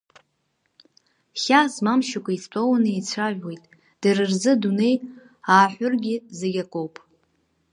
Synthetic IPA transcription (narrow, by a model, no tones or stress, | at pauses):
χʲasmamʃakʷʰaistʷʼownejt͡sʷʰaʒwe̞jtʼ | d̥ɨrɨrzɨdune̞j | aːħʷʊrɡʲɪzeɡʲakʷʼowpʼ